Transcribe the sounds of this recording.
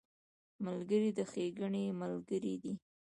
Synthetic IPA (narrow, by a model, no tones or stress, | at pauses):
malɡəɾid̪əxeɡəɳemalɡəɾid̪i